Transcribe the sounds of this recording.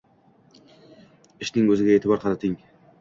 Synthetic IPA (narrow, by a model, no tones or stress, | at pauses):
ɪʃnɪŋɵzɪɡʲaet̪ʰɪbɒɾqʰɑnat̪ʰɪŋ